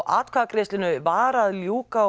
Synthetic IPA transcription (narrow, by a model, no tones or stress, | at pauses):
ʔa̰ːt̪kʰvakɾɪst̪lɪnʏvaːɾaðljuːka